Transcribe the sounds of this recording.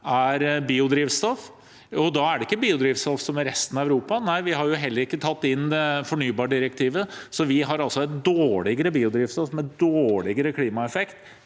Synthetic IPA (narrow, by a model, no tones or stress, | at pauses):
æɾbiːʊd̪ɾiːʋst̪ɔf | ɔd̪ɑæɖɛɪkːəbiːʊd̪ɾiːʋst̪ɔfsɔmɾɛst̪ənɑæʉɾuːpɑnæɪʋɪɦɑɾjʊɦɛlːəɾɪkːət̪ʰɑt̪ːɪnːd̪ɛfɔɳyːbɑːɖɪɾəkt̪ʰiːʋəsɔʋɪɦɑɾɑlsɔɛt̪̚d̪oːɭɪɡəɾəbiːʊd̪ɾiːʋst̪ɔfmɛd̪oːɭɪɡəɾəkʰliːmɑɛfɛkt̪